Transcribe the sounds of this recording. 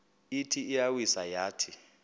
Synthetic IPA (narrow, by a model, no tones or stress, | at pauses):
itʰiːjawisajaːtʰi